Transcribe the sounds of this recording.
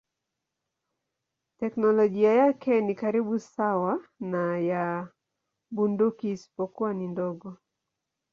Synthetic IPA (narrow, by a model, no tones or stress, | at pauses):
tɛknɔlɔɡiajakɛnikaɾiɓusawanaja | bundukiːsi̥pɔkuwanindɔɡɔ